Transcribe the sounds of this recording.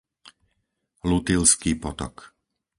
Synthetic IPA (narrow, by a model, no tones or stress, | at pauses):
lut̪ilskiːpɔt̪ɔ̰k